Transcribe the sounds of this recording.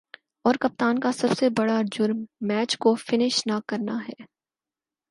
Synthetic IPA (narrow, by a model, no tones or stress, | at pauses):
ɔːɾkɐp̚t̪aːnkasɐbsebɐɽad͡ʒʊɾmːɛːt͡ʃkofɪnɪʃnakɐɾnaɦɛː